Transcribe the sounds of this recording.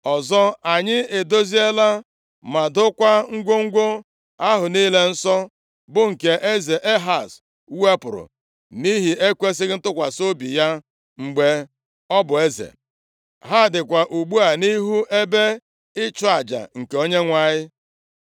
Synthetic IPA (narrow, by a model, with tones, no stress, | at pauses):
ɔ˨zɔ˦a˨ɲɪ˦e˨do˦zi˦e˦la˦ | ma˨dʊ˦kʷa˦ŋ̩˦ɡʷo˦ŋ̩˦ɡʷo˦ | a˦ɦʊ˨ni˦le˦n̩˦sɔ˦ | bʊ˦ŋ̩˨ke˨ʔe˦ze˨ʔe˦ɦa˨s | we˦pʊ˨ɾʊ̰˨ | ni˦ɦi˨e˦kʷe˦s̬ɪ˦ɣɪ˦n̩˦tʊ˦kʷa˨so˦bi˨ja˦ | ŋ͡m̩˨ɡ͡be˦ | ɔ˦bʊ˨e˦zḛ˨ | ɦa˦˨dɪ˨kʷa˨ʔu˨ɡ͡bu˦a˨ni˦ɦu˦e˦be˦ | ɪ˦t͡ʃʊ˦a˨d͡ʒa̰˨ŋ̩˨ke˨o˦ɲe˦ŋʷa˦˨ɲɪ˦